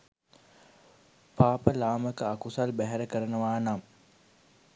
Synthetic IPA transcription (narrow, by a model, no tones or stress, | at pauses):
paːpəlaːməkəakusalbæɦæɾəkəɾənəʋaːnam